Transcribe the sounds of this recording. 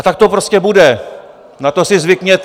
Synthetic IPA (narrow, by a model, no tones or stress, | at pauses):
at̪ak̚t̪opɾo̞scɛbudɛ | nat̪o̞sɪzvɪkɲɛt̪